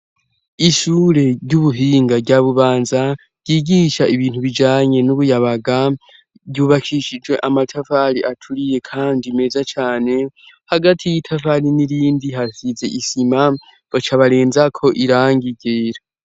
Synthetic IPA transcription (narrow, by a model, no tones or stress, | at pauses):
iʃuːɾe̞ɾɟuβuɦiːŋɡaɟaβuβaːnza | ɟiːɡiʃaʔiβiːn̥huβid͡ʒaːɲe̞nuβujaβaɡa | βɟuːβakʰiʃid͡ʒwe̞ʔamatʰafaɾiʔatʰuɾije̞kʰaːndime̞ːzat͡ʃaːne̞ | haɡatʰijitʰafaɾiniɾiːndiɦasize̞ʔisima | β̥at͡ʃaβaɾeːnzakʰo̞ʔiɾaːŋɡiɡeːɾa